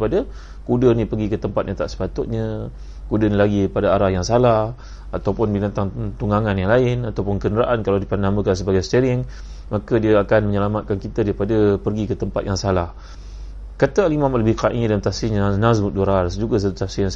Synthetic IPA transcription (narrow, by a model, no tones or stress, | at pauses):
padə | kudənĩpərɡikət̪əmpat̪̚ɲat̪a̰ʔsə̥pat̪ʊt̪̚ɲə | kudənilaɡipadaaɾahjaŋsalah | at̪awpʊnbinant̪aŋt̪uŋaŋanjaŋlaɪnat̪awpʊnkənəɾaʔankalawdipanamə̃kans̬əbaɡajsə̥t̪əɾɪŋ | makədiəakanməɲəlamat̪̚kankit̪adaɾipadəpərɡikət̪əmpat̪jaŋsalah | kat̪əalimãmləbɪhkaʔĩdamt̪asiɲanas̬mut̪̚duɾarsd͡ʒuɡas̬ətsasia